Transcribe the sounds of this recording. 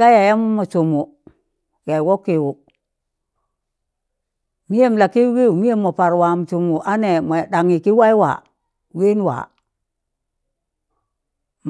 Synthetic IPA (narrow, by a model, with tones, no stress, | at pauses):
a˦ja˨ja˦mu˦mo˨t͡ʃu˨mu˨ | ja˨wo˦kːi˨wu˨ | mi˦je˦m˨la˨ki˦wi˦u˨mi˦je˦mːo˨pa˨ɾwa˨m˨t͡ʃu˨mu˨ʔa˦ne˨mo˨ɗa˨ŋi˨ki˦wa˦i˦wa̰˨ | we˦n˦wa̰˨ | m